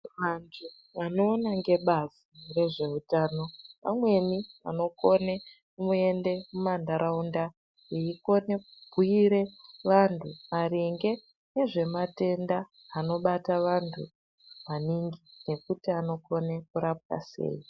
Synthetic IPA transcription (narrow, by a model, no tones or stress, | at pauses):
mantʰu | ano̞ːnaŋɡe̞ɓazire̞ʐe̞utaːno̞ʋa̰mwe̞nia̰no̞ko̞ne | umue̞nde̞mumandaɾaunda | eiko̞ne̞kubʱiiɾe̞ʋantʰumaɾeŋɡe̞ | neʐe̞mate̞ndaː | no̞ɓataʋantʰṵ | ʋaniŋɡine̞kutiano̞ko̞nekuɾap̚ka̰se̞̰ːi